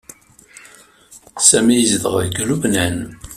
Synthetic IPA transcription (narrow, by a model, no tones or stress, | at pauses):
sæmijəzðəʁəɡæluvnæn